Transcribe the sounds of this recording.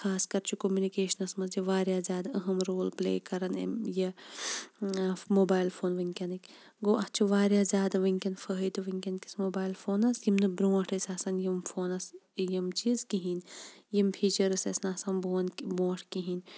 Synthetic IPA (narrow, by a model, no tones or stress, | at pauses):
xaːskɐɾt͡ʃʰukomjunikeːʃɐnɐsmɐsjɐʋaːɾjaːzʲjaːd̪ɐɐɦɐmɾoːlplḛːkɐɾɐn̰jɐ | moːbaːjlfʰoːnʋɐŋʲkʲɐnikʲ | ɡoːʔɐt͡ʃʰuʋaːɾʲjaːzʲaːd̪ɐʋɐŋkʲɐnfəɦid̪uʋɐŋkʲɐnkʲi̥smoːbaːjlfʰoːnɐsjimnɐbɾõːʈʰɐsʲaːsɐnjimfʰoːnɐsjɐmt͡ʃizkiɦinjimpʰiːt͡ʃɐɾɐsɐsnasɐnboːnbõːʈʰkiɦin